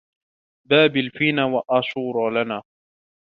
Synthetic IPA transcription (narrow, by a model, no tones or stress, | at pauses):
baːbɪlfiːnaːwaʔaːʃuːɾˤɑlanaː